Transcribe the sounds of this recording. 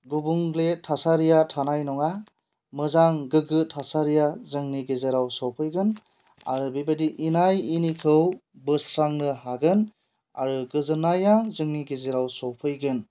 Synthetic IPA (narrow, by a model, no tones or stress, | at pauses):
ɡubuŋɡletʰasaɾijatʰanajnɔŋa | mɯzaŋɡɯɡɯtʰasaɾijazɯŋniɡezeɾawsɔwpʰɯjɡɯn | a̰ɾɯbibadiʔinajinikʰɯwbɯsɾaŋnɯhaɡɯn | a̰ɾɯɡɯzɯnajazɯŋniɡezeɾawsɔwpʰɯjɡɯn